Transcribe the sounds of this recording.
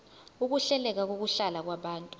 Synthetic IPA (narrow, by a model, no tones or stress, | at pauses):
uk̬uɬɛlɛk̬ak̬ok̬uɬalak̬waɓaːntʼu̥